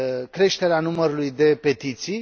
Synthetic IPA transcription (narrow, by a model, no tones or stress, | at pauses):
kɾe̞ʃt̪e̞ɾeanuməɾulujd̪e̞pe̞t̪it̪sij